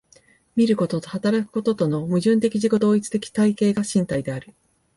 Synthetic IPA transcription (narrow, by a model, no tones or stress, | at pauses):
mʲiɾɯ̟ko̞t̪o̞t̪o̞hat̪aɾakɯ̟̥ko̞t̪o̞t̪o̞no̞mɯ̟ʑɨ̃nt̪e̞kʲiʑiko̞d̪o̞ːit͡sɨ̥t̪e̞kʲi̥t̪aike̞ːɡaɕĩnt̪aid̪e̞aɾɯ̟